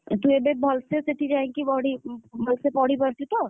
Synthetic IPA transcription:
t̪uebebʱɔlsesɪʈid͡ʒaɛ̃ŋkibɔːɽibʱɔlsepɔːɽibɐɾt̪it̪o

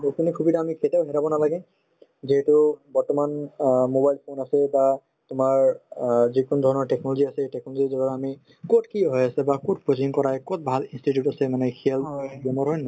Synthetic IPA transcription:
bokunikʰubitaːmikʰetaʊɦɛɾabɔnalaɡɛ | ziɦɛtubɔɹtɔmanmobajlpʰonasɛba | tʊmaɹzikɔnɔdʱɔɹɔnɔɹʈɛknɔloziasɛtɛk̚nɔlozizɔɡaɾami | kotkiɦɔjasɛbakot̚pɹoziŋkɔɹajkɔt̚bʱalinstitjutasɛmanɛkʰiɛlɔjɛmɔɹɦɔjna

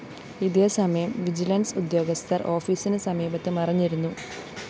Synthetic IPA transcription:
iðeːsɐmɐjɐmʋid͡ʑilɐnsud̪jo̞ːɡɐst̪ʰɐrʔo̞ːfiːsinɨsɐmiːbɐt̪ːɨmɐrɐɲːiɾunːu

